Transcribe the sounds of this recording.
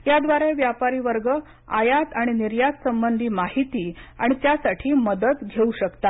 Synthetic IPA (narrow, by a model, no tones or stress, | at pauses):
jad̪ʋaɾeʋjapaɾiːʋəɾɡə | ajat̪aɽ̃iniɾjat̪səmbənd̪ʱiːmaɦit̪iːa̰ɽ̃it̪jasaʈʰiːməd̪ət̪ɡʱeuɕəkt̪at̪